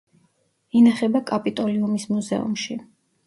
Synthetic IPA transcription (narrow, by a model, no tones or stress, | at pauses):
inaχɛbakʼapʼit̪ʼɔliumismuzɛ̰ṵmʃi